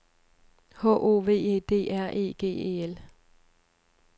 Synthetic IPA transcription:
hɔ̰ːʔo̝̰ːʋe̝̰ːe̝̰ːd̥e̝̰ːʔæɐ̰ʔe̝̰ːɡ̥e̝̰ːḛːel

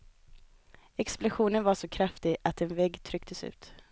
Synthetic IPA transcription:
ɛksplʊɧuːnənvaʂɔkʰɾaft̪ɪɡat̪ɛnvɛɡt̪ʰɾʏkt̪ʰəsʉ̟̰ːt̪

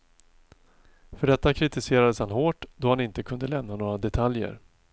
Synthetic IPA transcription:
fœɖɛt̪ːakʰɾɪt̪ɪseːɾad̪əshanɦoːʈd̪ɔhanɪnt̪əkʰɵnd̪əlɛmnanoːɾad̪ɛt̪ʰaljə̰ɾ

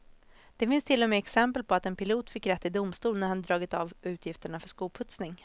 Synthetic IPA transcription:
d̪̥ɛfɪnst̪ʰɪlːɔmeːɛksɛmpəlpʰɔat̪ɛnpɪluːt̪fɪkːɾɛt̪ːɪd̪ʊmst̪uːlnæɾhand̪ɾɑːɡɪt̪avʉ̟ːt̪ʰjɪft̪əɳafœʂkuːlpʰɵt̪snɪŋ

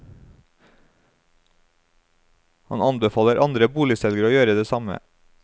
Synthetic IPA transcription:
hɑ̰nɑnbɛfɑːləɾʔɑnd̪ɾəbuːlɪsɛlɡəɾəoːjøːɾəd̪eːsɑmə̰

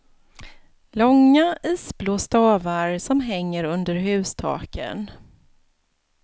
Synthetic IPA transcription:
lɔŋːaiːsbloːst̪ɑːvaɾsɔmɦɛŋːəɾɵnd̪əɾɦʉ̟ːst̪ʰɑ̰ːkʰə̰n

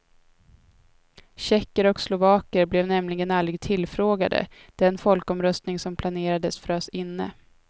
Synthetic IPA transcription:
ɕɛkːəɾɔkslʊvɑːkəɾblɛvnɛmlɪɡənalɾɪɡ̚t̪ʰɪlːfɾoːɡad̪ə̰ | d̪̥ɛnfɔlkɔmɾœst̪nɪŋsɔmpʰlaneːɾad̪əsfœɾasɪnːə̰

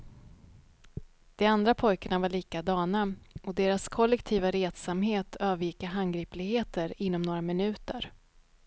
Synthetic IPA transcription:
d̪̥ɛand̪ɾapʰɔjkəɳavaɭiːkad̪ɑːnaɔd̪eːɾaskʰɔlːɛkt̪ʰiːvaɾeːt̪samɦeːt̪ʰøːvəɾjɪkːaɦanɡɾiːplɪɡheːt̪əɾɪn̪ːɔmnoːɾamɪnʉ̟ːt̪əɾ

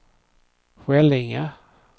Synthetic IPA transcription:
ɧɛlɪŋa

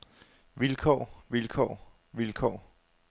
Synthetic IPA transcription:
ʋilkʰɒ̰ʋilkʰɒ̰ː | ʋilkʰɒ̰ː

